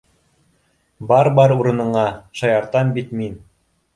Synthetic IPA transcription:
bɑɾbɑɾuɾɤ̆nɤ̆ɴɑʃɑjɑɾt̪ɑmbit̪min

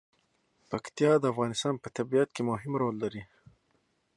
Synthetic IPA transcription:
pɐkt̪jɑːd̪əafɣɑːnɪst̪ɑːnpət̪abijat̪̚kemʊɦɪmɾoːlːaɾi

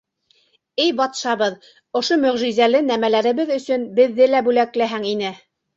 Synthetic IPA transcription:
ɘjbɑt̪ʃɑβɤð | ŏʃomɵ̆ʁʒizælɘnæmælæɾɘ̆βɘðɵ̆sɵnbɘ̆ðːɘlæbʉlæklæɦæŋinɘ

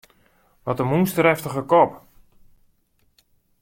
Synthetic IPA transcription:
ʋɔtəmunstəɾɛftəχəkɔp

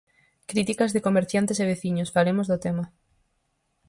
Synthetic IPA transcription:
kɾit̪ikɐzðɪkomeɾθjant̪eseβ̞eθiɲʊsfalemozðʊt̪emɐ

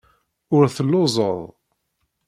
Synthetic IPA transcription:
ʊɾθəlːʊzˤəðˤ

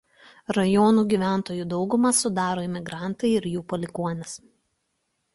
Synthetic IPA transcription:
ɾɐjɔːnuːɡʲiʋʲæˑnt̪oːjuːd̪ɒʊɡʊmɐsʊd̪ɑːɾoːɪmʲɪɡɾɑˑnt̪ɐɪɪɾjuːpɔlʲɪkuɔnʲɪs

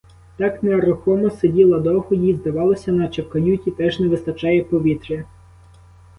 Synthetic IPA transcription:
t̪ɑknɛɐɾɔxɔmɔsedʲilˠɐd̪ɔɦʊjizd̪ɐʋɑlˠɐsʲɐnɐt͡ʃepkɐnʲutʲit̪ɛʒnɛʋɪst̪ɐt͡ʃɑjɛpɔʋʲit̪ɾʲɐ

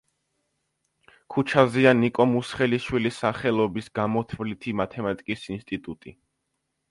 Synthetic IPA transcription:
kʰut͡ʃʰazianikʼɔmusχɛliʃwilisaχɛlˠɔbisɡamɔt̪ʰvlit̪ʰimat̪ʰɛmat̪ʼi̥kʼisinst̪ʼit̪ʼut̪ʼi

